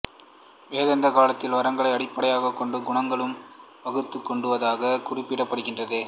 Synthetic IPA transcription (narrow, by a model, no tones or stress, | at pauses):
ʋeːðɐnd̪ɐkaːlɐt̪ːɪlʋɐɾɐŋɡɐɭɐɪɐɽɪpːɐɽɐjaːɣɐkːɔɳɖɯɡʊɳɐŋɡɐɭɯm | ʋɐɣɯt̪ːɯkːɔɳɖɯʋɐðaːɣɐkʊrɪpːɪɽɐpːɐɽɯɣɪndrɐðɯ